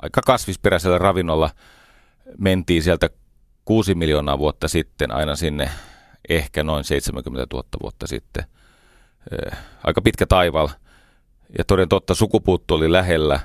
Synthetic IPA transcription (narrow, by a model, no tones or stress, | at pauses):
ɑ̰ikɑkɑsʋisperæselːærɑʋinːolːɑ | ment̪iːnsielt̪æ | kuːsimiljoːnɑ̰ːʋuot̪ːɑsit̪ːenʔɑ̰inɑsinːḛ | ʔehkænoinseit̪semæ̰ŋkymːent̪æt̪ṵhɑt̪ːɑʋṵot̪ːɑsḭt̪ːḛ | ʔɑ̰ikɑpit̪kæt̪ɑiʋɑl | jɑ̰t̪oˑɾent̪ot̪ːɑsukupuːt̪ːuolilæɦelːæ